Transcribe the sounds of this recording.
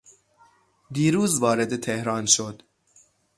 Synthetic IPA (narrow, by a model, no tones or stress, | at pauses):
d̪iːɾuːzvɒːɾe̞d̪et̪ʰehɾɒːnʃod̪